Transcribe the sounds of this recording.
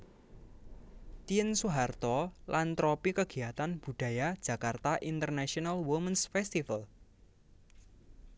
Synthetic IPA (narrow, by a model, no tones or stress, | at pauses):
t̪iənsuɦart̪ɔlʔant̪ɾɔpikəɡ̥i̤ɦat̪anb̥ṳd̥ä̤jad̥ʒ̥ä̤kart̪aʔint̪ərnaʃionalwumənsfɛst̪ifal